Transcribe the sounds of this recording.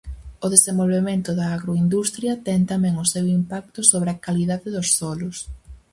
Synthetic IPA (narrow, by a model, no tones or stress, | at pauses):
ʊðesẽmbolβemẽnt̪ʊðɐːɣɾoind̪ust̪ɾjɐt̪ɛŋt̪amɛ̃ŋʊsewimpak̚t̪ʊsoβɾeɐkaliðaðɪðʊsθɔlʊs